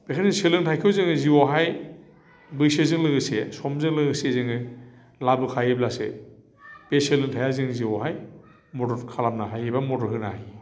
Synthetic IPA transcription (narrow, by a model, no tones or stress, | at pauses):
b̥ekʰanziŋselɯŋtʰajkʰɯwzɯŋɯziwɔɦaj | bɯjsezɯŋlɯɡɯsesɔmzɯŋlɯɡɯsezɯŋɯ | labɯkʰajeblasḛ | beselɯŋtʰajazɯŋziwɔɦaj | mɔdɔɾkʰalamnaɦajebamɔdɔɾɦɯnaaj